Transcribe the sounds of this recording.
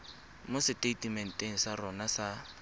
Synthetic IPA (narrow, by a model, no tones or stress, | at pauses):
mʊsɪteitimɛn̩tʼeŋ̩sarɔnasa